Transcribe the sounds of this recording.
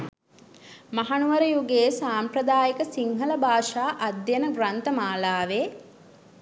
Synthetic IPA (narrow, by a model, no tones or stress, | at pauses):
mɐɦanuʋɐɾəjuɡeːsaːmprɐd̪aːjəkəsiŋɦələbʱaːʂaːʔɐd̪jenəɡɾant̪əmaːlaːʋeː